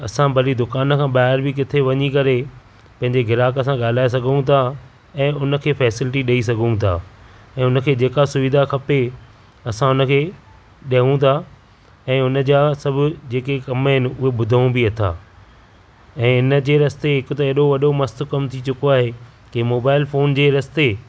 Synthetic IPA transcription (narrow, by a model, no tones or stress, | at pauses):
ɐsãbɐlid̪ʊkaːnkʰãːɓaːɦɪɾbɪk̬ɪt̪ʰeʋɐɲikɐɾe | pɐ̃ɦɪ̃ɲd͡ʑeɡʱɪɾaːkəs̬ãɠaːl̤aːes̬ɐɡʱũt̪ʰa | ɛ̃ːʊnə̆kʰeːfɛːsɪlɪʈiɗɐis̬ɐɡʱũt̪ʰa̰ː | ɛ̃ːʊnə̆kʰeːd͡ʑeːkasʊʋɪd̪ʱakʰɐpe | ɐsãʊnə̆kʰeː | ɗɐɦũt̪ʰa | ɛ̃ːʊnə̆d͡ʑaːsɐbʱʊd͡ʑeːkekɐmɦɪnɪ̆ʊɦeɓʊd̪ʱəũbiɐt̪ʰa̰ː | ɛ̃ːɪnə̆d͡ʑeːɾɐst̪eɦɪkʊt̪ɐeːɗoʋɐɗomɐst̪ʊ̆kɐmt̪ʰit͡ɕʊkoaːɦe | kɪmoːbaːɪlfoːnd͡ʑeːɾɐst̪e